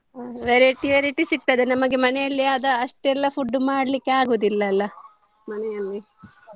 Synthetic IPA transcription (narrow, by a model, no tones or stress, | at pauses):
ʋeɾeʈiɐɾiʈisik̚t̪ɐd̪enɐmɐɡe̞mɐnɛjɐlːiaːd̪ɐːʂʈeɛlːɐfuɖːumaːɽɐlikːeaːɡoːd̪ilːɐːlːɐ | mɐnɛjɐlːi